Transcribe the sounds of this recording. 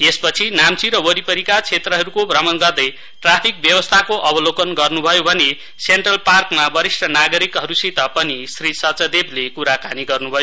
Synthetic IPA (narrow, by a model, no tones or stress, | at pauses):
espʌt͡sʰinamt͡siɾʌwʌɾipʌɾikat͡sʰet̪rʌɦʌɾukobʱrʌmʌnɡʌrd̪ʌj | ʈrapʰik̚bjʌwʌst̪ʰakoʔʌbʌlokʌnɡʌrnubʱʌjobʱʌne | seɳʈrʌlparkmabʌɾisʈʰʌnaɡʌɾikɦʌɾusit̪ʌpʌnisrisʌt͡sʌd̪ebʱlekuɾakaniɡʌrnubʱʌjo